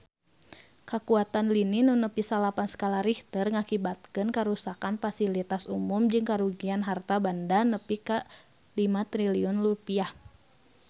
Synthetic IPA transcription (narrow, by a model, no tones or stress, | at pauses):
kakuat̪anlininunəpisalapansə̥kalaɾiht̪ərŋakibat̪̚kɨnkaɾusakanfasilit̪asumumd͡ʒɨŋkaɾuɡianɦart̪abandanəpika | limat̪ɾiliɔnlupiah